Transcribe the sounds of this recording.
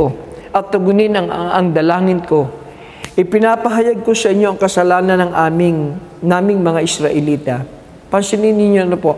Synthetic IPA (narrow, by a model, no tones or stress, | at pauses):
o | ʔɐt̪̚t̪ːʊɡʊnɪnɐŋɐŋd̪ɐlaːŋɪnko̞ | ʔɪpɪnapɐɦɐjaɡ̚kosɐʔɪɲːo̞ʔɐŋkɐsɐlaːnɐnɐŋʔaːmɪŋ | naːmɪŋmɐŋaʔɪsɾɐʔɛliːt̪ɐ | pɐnsɪninɪɲjoɐnopoʔ